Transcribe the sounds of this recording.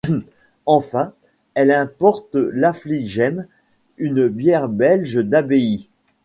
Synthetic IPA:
ɑ̃fɛ̃ | ɛlɛ̃pɔʁt̪lafliʒɛm | ynbjɛʁbɛlʒd̪abei

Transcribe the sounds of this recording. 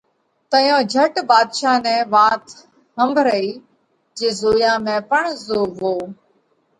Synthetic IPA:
t̪əjõːd͡ʒʱəʈbaːd̪ʃaːnɛ̃ːʋãːt̪ | ɦəmbʱɾəiː | d͡ʒeːzoːjãːmẽːpəɳzoːʋoː

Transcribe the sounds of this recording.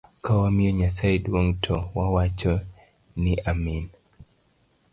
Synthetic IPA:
kawamiɔɲasaidwoŋtʰɔwawat͡ʃɔ | nɪʔamin

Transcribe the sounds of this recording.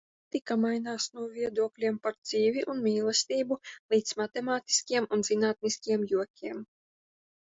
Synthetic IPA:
t̪ikamajnaːsnuɔvʲiɛd̪uɔklʲiɛmpaɾd̪z̥iːvʲiʔunmʲiːlˠɛsʲt̪ʲiːbulˠiːt̪smat̪emaːt̪i̥skʲiɛmunzinaːt̪̚niskʲiɛmjuɔkʲʰiɛm

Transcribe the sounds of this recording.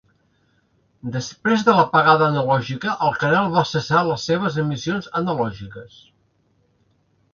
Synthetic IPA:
d̪əspɾezðələpəɣaðəːnəlɔʒikəʔəlˠkəɾalˠβasəsaləsːeβ̞əzəmisionzənəlɔʒikəs

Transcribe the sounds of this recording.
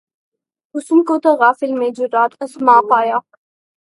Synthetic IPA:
ʊsumkoːt̪ɐɣaːfɪlmẽːd͡ʒʊɾaːt̪ʰɐsmaːqaːjɑː

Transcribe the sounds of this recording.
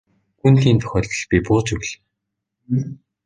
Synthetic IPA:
xunt̪iːnt̪ʰɵ̥xʲœːɮt̪̆ɮpʲipʊːt͡ɕɵwɮ

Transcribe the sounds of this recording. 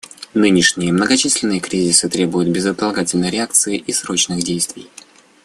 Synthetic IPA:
nɨnʲɪʂnʲɪjəmnəɡɐt͡ɕisʲlʲɪnːɨjəkɾʲizʲɪsɨt̪ɾʲe̞bʊjʊt̪̚bʲɪzət̪ɐlˠɐɡatʲɪlʲnəjɾʲɪak̚t̪sɨɪʔisɾo̞t͡ɕnɨɣdʲejst̪vʲɪ̰j

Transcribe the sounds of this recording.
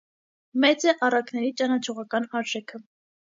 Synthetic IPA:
mɛt͡sɛʔɑrɑknɛɾit͡ʃɑnɑt͡ʃʰɔʁɑkɑnɑɾʒɛkʰə

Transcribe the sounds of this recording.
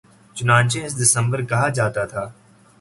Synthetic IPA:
t͡ʃʊnãːnt͡ʃẽɪs̬d̪ɪsə̃mbəɾkɐɦad͡ʒaːt̪at̪ʰaː

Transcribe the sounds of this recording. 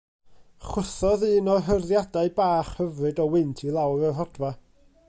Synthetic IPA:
χwəθɔðɨːnɔɦərðjadaɨbaːχhəvrɨdɔwɪntʰilˠawɾɔɦɔdva

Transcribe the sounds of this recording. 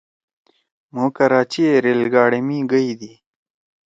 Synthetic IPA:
mokəɾaːt͡ʃieɾelɡɑːɽemiɡəjd̪i

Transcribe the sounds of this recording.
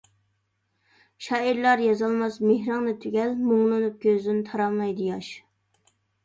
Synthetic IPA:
ʃɑːiɾlˠɑɾjɑzɑlˠmɑsmehɾɑŋnɨt̪ʰyɡʲɛlmoŋlˠɨnup̚ɡʲøzd̪ɪnt̪ʰɑɾɑmɑjd̪ɨjɑʃ

